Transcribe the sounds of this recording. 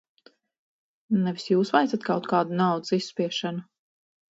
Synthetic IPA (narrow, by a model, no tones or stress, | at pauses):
nɛvisjuːsvajt̪sat̪̚kawt̪̚kaːd̪unawd̪zisːpiɛʃanu